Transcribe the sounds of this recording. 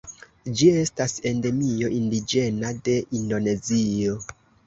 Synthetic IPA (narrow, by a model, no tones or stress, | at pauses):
d͡ʒie̞stasende̞mio̞ʔindid͡ʒe̞nade̞ʔindo̞ne̞zio̞